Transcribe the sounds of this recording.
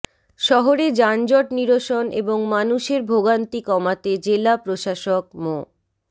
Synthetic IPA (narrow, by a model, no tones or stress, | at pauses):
ʃɔɦoɾed͡ʑand͡ʑɔʈniɾoʃonʔḛboŋmanuʃeɾbʱoɡant̪ikɔmat̪ed͡ʑelapɾoʃaʃok̚mo